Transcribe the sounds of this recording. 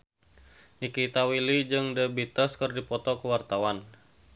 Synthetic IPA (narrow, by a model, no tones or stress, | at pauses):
nikit̪awilid͡ʒɨŋdəbit̪əskɨrdipɔt̪ɔkəwart̪awan